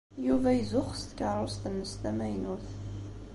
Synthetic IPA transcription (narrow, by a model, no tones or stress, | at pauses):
juvæjizʊχst̪kəɾˤost̪əmːəst̪æmæjnuθ